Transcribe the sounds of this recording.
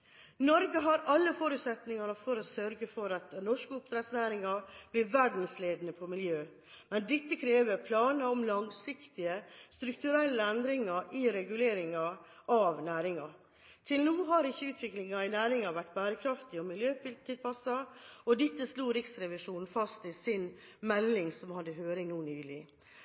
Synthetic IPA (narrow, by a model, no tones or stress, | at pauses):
nɔɾɡəɦɑɾɑlːəfɔɾʉːt̪sɛt̪nɪŋɑnəfɔɾɔsœɾɡəfɔɾɑt̪nɔʂkəʊpt̪ɾɛt̪snæːɾɪŋɑɾb̥lɪʋæɖn̩sleːd̪nəpʰɔmɪljøː | mɛnd̪ɪt̪ːəkʰɾeːʋəɾpʰlɑːnəɔmlɑŋsɪkt̪ɪəst̪ɾʉkt̪ʉɾɛlːəɛnd̪ɾɪŋɑʔɪɾɛɡʉleːɾɪŋɑʔɑʋnæːɾɪŋɑ | t̪ʰɪlnuːɦɑɾɪçːəʉːt̪ʰʋɪklɪŋɑɪnæːɾɪŋɑʋæʈːbæːɾəkʰɾɑft̪ɪɔmɪljøːpɪl̚t̪ʰɪlpɑsɑɔd̪ɪt̪ːəsluːɾɪksɾɛʋɪʂuːnn̩fɑst̪ɪsɪn | mɛlːɪŋsɔmhɑd̪ːəhøːɾɪŋnuːnyːlɪ